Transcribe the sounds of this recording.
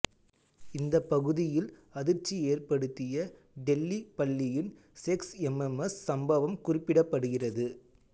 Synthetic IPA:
ɪnd̪ɐpːɐɣɯðɪjɪlɐðɪɾt͡ʃːieːrpɐɽɯt̪ːɪjɐ | ɖɛlːipɐɭːɪjɪn | sɛksɛmɛmɐsːɐmbɐʋɐmkʊrɪpːɪɽɐpːɐɽɯɣɪrɐðɯ

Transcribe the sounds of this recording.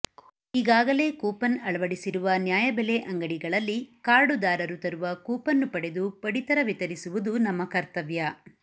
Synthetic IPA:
iɡaːɡɐle̞ːkuːpɐnɐɭɐʋɐɽisiɾuʋɐnjaːjɐbɛleʔɐŋɡɐɽiɡɐɭɐlːikaːɾɖud̪aːɾɐɾut̪ɐɾuʋɐkuːpɐnːupɐɽe̞d̪upɐɽit̪ɐɾɐʋit̪ɐɾisuʋud̪unɐmːɐkɐɾt̪ɐʋjɐ

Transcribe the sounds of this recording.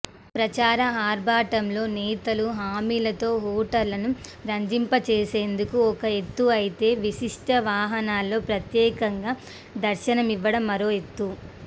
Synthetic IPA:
pɾɐt͡ʃaːɾɐɦaːɾbaːʈɐmlo̞ːnɛːt̪ɐluɦaːmiːlɐt̪o̞ːɦuːʈɐɾlɐnuɾɐɲd͡ʒimpɐt͡ʃeːse̞ːnd̪ukuɔkɐe̞t̪ːuɐjit̪e̞ːʋiʃiʂʈɐʋaːɦɐnaːlːo̞ːpɾɐt̪jɛːkɐŋɡaː | d̪ɐɾʃɐnɐmiʋːɐɽɐmːɐɾo̞ːe̞t̪ːu

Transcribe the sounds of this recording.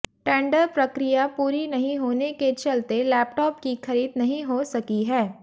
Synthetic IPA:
ʈɛ̃ːɳɖəɾpɾɐkɾijapuːɾinɐɦĩɦoːneket͡ʃɐlt̪elɛːpʈɔːpkixɐɾiːd̪nɐɦĩɦosɐkiɦɛː

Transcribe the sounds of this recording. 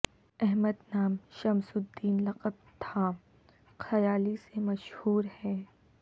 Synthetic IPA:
ɛɦməd̪naːmʃɐmsʊd̪ːiːnlɐqəb̚t̪ʰa | xɐjaːlisemɐʃhuːɾhɛː

